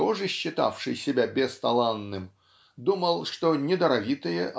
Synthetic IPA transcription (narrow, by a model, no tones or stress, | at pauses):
ɔʐɨɕːɪt̪a̰fʂɨjsʲɪbʲabʲɛst̪ɐlˠanːɨm | d̪uməlˠʂt̪onʲɪd̪ɐɾɐvʲit̪ɨjɛʔ